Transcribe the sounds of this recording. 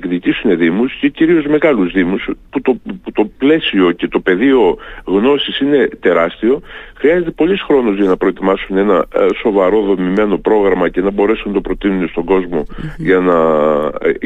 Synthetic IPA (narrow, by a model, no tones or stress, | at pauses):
kðit̪isune̞ðimusce̞ciɾio̞zme̞ɣɐluzðimusput̪oput̪o̞ple̞sio̞ce̞t̪o̞pe̞ðio̞ɣno̞sisine̞t̪e̞ɾɐst̪io̞xɾiɐze̞t̪e̞po̞lisxɾo̞nuzʝɐnɐpɾo̞et̪imɐsune̞nɐso̞vɐɾo̞ðo̞mime̞no̞pɾo̞ɣɾɐmɐce̞nɐbo̞ɾe̞sunɐt̪o̞pɾo̞t̪inune̞st̪o̞ŋɡo̞zmo̞ʝɐnɐ